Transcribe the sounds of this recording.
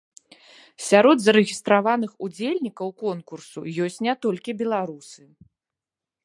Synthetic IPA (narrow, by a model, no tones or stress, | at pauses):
sʲaɾɔd̪zɐɾɨɣʲist̪ɾavan̪ɨxud͡zʲelʲnʲikɐwkɔnkursujɔsʲt͡sʲnʲɛt̪ɔlʲkʲibʲɛlˠaɾusɨ